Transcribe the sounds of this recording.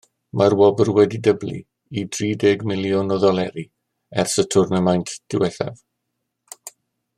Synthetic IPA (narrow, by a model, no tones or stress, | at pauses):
mʔarwɔbərwɛdidəblḭ | idriːdɛɡmɪlˠjɔnɔðɔlɛɾi | ɛrsətʰʊrnəmajntʰd̥ɪwɛθɛ̰v